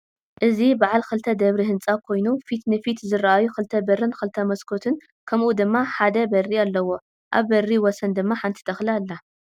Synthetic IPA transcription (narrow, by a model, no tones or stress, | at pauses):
ʔɨzibaʕalxɨlt̪ʰɐd̪ɐβɾiɦɨnt͡sʼakʰo̞jnufit̪nɨfit̪zɨraʔajuxɨlt̪ʰɐbɐrːɨnxɨlt̪ʰɐmɐskʰo̞t̪ʰɨn | kʰɐmʔud̪ɨmːaħad̪ɐbɐrːialːɐwo̞ | ʔa̰βːɐrːiwɔsɐnd̪ɨmːaħant̪ʰi̥t̪ʰɐxlialːa